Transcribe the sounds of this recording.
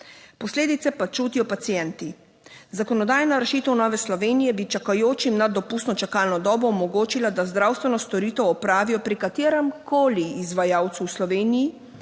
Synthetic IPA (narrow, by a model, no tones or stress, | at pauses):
pɔsleːd̪it̪sɛpat͡ʃuːt̪ijɔpat̪sijɛnt̪i | zakɔnɔd̪aːjnaɾɛʃiːt̪ɔwnɔːʋɛslɔʋeːnijɛbit͡ʃakajoːt͡ʃimnad̪ːɔpuːst̪nɔt͡ʃakalnɔd̪ɔːbɔɔmɔɡoːt͡ʃilad̪azd̪ɾaːwst̪ʋɛnɔst̪ɔɾiːt̪ɛwɔpɾaːʋijɔpɾikat̪eːɾɛmkʰoːliːzʋajaːwt̪suwslɔʋeːniji